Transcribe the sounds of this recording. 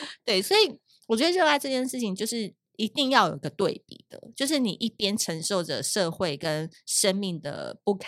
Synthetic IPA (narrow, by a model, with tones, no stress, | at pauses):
t̪we˥˩ɪswɔ˧˥i˨˩ | wɔ˨˩ɥɛ˧˥d̪ə˧ɻə˥˧nwa˥˧ɪʈ͡ʂɤ˥˧t͡ɕjɛ˥˧nʂɻ̩˥˩t͡ɕʰi˨˩ŋt͡ɕjo˥˧ʊʂɻ̩˥˩ | i˧˥t̪i˥˧ŋjɑ˥˩ʊjo̰˨˩i˧˥ɡə˧t̪we˥˩ɪpḭ˨˩d̪̥ə̰˩t͡ɕjo˥˧ʊʂ̬ɻ̩˥˩nḭ˨˩ʔi˥˩pjɛ˥nʈ͡ʂʰə˧˥ŋʂo˥˩ʊʈ͡ʂə̰˩ʂɤ˥˧xwe˥˩ɪkə˦nʂə˥nmi˥˩ŋd̪ə̰˩pu˥˩kʰ